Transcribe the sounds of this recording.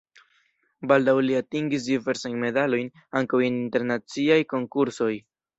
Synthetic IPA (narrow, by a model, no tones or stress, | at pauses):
baldawliatiŋɡis̬dive̞ɾsajnme̞dalo̞jn | aŋkawininte̞ɾnat͡siajko̞ŋkuɾso̞j